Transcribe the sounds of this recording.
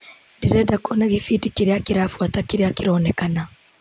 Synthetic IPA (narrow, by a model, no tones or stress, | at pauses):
ndiɾɛdakʰɔnaɣifitikiɾeakiɾafuatakiɾeakiɾɔːnɛkana